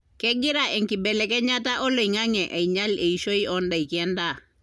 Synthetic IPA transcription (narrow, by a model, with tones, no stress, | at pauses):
kɛ˦ɡɪ˦ɾa˨ɛ˨ŋki˨bɛ˨lɛ˨kɛ˦ɲa˦ta˦ʔɔ˦lo˨i˨ŋa˦ŋɛ˨ʔa˨i˨ɲa˦le˨i˨ʃo˦i˦ʔɔ˦nda˨i˨ki˨ɛ˦nda˦˨